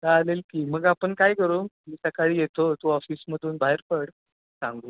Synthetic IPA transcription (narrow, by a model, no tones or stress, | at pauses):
kaalelkiːm̤əɡapəɳkajkəɾuːmiːsəkaɭiːjet̪ot̪uɔfiːsməd̪ʱuːnbʱaɦeɾpəɽ | sãŋɡuː